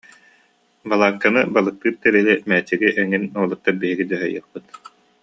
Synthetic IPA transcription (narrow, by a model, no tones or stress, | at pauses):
balˠaːkːanɯbalˠɯk̚t̪ɯːɾt̪ɛɾilɛmɛːt͡ɕiɡiʔɛŋinuɔlˠɯk̚t̪ːaɾbiɦiɡid̪yɦœjɯ̰χpɯt̪